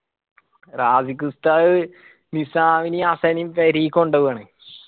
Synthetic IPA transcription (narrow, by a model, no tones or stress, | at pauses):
raːsik̬ɾɨst̪a | nisaːʋiniasɐnimpɐɾiːkːoɳɖɐʋɨaːɳɨ